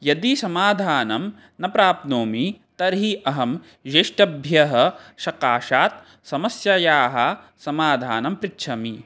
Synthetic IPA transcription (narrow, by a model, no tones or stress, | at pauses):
jɐd̪isɐmaːd̪ʱaːnɐm | nɐpɾaːp̪̚noːmit̪ɐɾɦiʔɐɦɐm | d͡ʒeʂʈɐbʱjɐɦɐ̆ʃɐkaːʃaːt̪̚ | sɐmɐsjɐjaːɦɐ | sɐmaːd̪ʱaːnɐmpɾɪtːʃʰɐmi